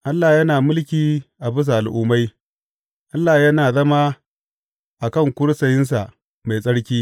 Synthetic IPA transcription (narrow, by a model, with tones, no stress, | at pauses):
ʔa˦lːaː˨jɐ˦naː˨mʊ˦lkʲiː˨ʔa˨bʊ˦s̬a˨ʔa˨lʔʊː˦ma˦j | ʔa˦lːaː˨jɐ˦naː˨zɐ˦ma˦ | ʔa˨kɐ˦˨ŋkʷʊ˦ɽsɐ˨jɪ˦ns̬a˨ʔ | ma˨jsʼɐ˦ɽkʲiː˦